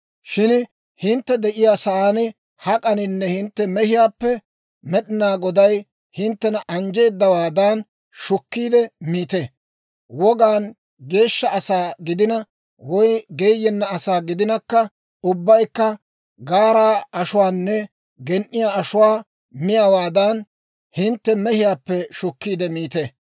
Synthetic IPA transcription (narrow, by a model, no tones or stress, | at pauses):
ʃɪn | hɪnt̪ːɛd̪ɛʔɪjaːsɐaːnɪ | hɐkʼɐnɪnːɛhɪnt̪ːɛmɛhɪjaːpːɛ | mɛɗɪnaːɡɔd̪ɐj | hɪnt̪ːɛnɐʔɐnd͡ʒe̞ːd̪ːɐwaːd̪aːn | ʃʊkːiːd̪ɛmiːt̪e | wɔɡaːn | ɡe̞ːʃːɐɐsaːɡɪd̪ɪnɐ | wɔjɡeːjːɛnːɐɐsaːɡɪd̪ɪnɐkːɐ | ʊbːɐjkːɐ | ɡaːɾaːʔɐʃʊwaːnːɛ | ɡɛnʔɪjaːɐʃʊwaː | mɪjawaːd̪aːn | hɪnt̪ːɛmɛhɪjaːpːɛʃʊkːiːd̪ɛmiːt̪ɛ